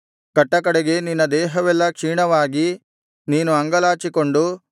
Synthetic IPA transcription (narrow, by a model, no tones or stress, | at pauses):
kɐʈːɐk̬ɐɽeɡe̞ninːɐd̪ɛːɦɐʋɛlːɐkʂiːɳɐʋaːɡi | niːnuɐŋɡɐlaːt͡ʃiko̞ɳɖu